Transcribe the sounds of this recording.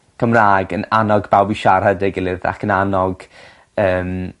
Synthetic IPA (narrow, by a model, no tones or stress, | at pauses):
kʰəmraːɡənanɔɡbawbiʃaɾədɛɡɪlˠɪða̰kʰənanɔɡ̥ | əːm